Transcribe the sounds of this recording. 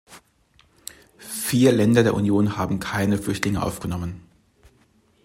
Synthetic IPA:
fiːɐlɛndɐdeːɐʔunjoːnhaːbm̩kʰaɪnəflʏçtlɪŋəʔa̰ʊfɡ̥ənɔmən

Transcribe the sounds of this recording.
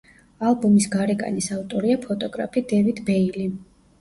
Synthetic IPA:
alˠbɔmisɡaɾɛɡa̰nisavt̪ʼɔɾiapʰɔt̪ʼɔɡɾa̰pʰid̪ɛvid̪bɛili

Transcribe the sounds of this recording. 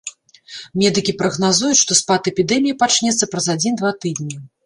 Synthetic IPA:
mʲɛd̪ɨkʲipɾɐɣnazujut͡sʲʂt̪ɔspat̪ɛpʲid̪ɛmʲijipat͡ʂnʲɛt̪sːɐpɾɐzad͡zʲind̪vat̪ɨd̪̚nʲi

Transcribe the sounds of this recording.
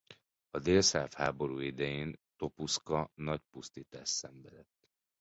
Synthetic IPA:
ɒd̪eːlsaːfhaːbo̞ɾuːid̪ɛjeːnt̪o̞puskɒnɒc̚pust̪iːt̪aːʃsɛɱvɛd̪ɛt̪ː

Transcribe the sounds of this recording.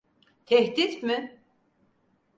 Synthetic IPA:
t̪ʰɛhd̪it̪mɪ

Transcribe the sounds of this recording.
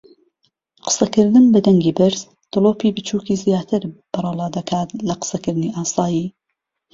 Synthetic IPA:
qə̥sɐkɨɾd̪ɨmbɨd̪ɐŋɡiːbɨɾz̥ | d̪̥ɨlˠoːpiːbɨt͡ʃʰuːkiːzijaːt̪ʰɨɾb̥ɨrˤɑlˠɑːd̪ɐkʰaːt̪lɐqə̥sɐkɨɾd̪ɨniːʔaːsɑːjiː

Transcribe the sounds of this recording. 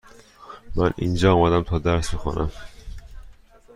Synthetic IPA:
mænḭnd͡ʒɒːɒːmæd̪æmt̪ʰɒːd̪æɾsbexo̰nʔæm

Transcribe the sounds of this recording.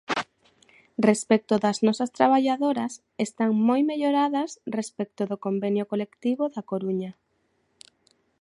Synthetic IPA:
respɛk̚t̪ʊðɐznɔsɐst̪ɾaβ̞aʎaðoɾɐs | est̪aŋmojmeʎoɾaðɐsrespɛk̚t̪ʊðokombenjʊkolekt̪iβoðakoɾuɲɐ

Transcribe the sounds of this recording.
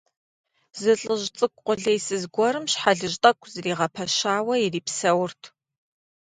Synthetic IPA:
zɨɬʼɨʒt͡sʼɨkʷʼqʷʊɮejsɨzɡʷɔɾɨmɕħaɮɨʒtʼɐkʷʰʼzɨriːʁɐpʰɐʃaːwɐjiriːpsɐwʊrtʰ

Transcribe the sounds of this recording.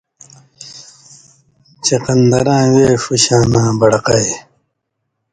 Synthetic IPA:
t͡ɕeqɐnd̪ɐɾãːweːfuɕãːnãːbɐɽɐqɐj

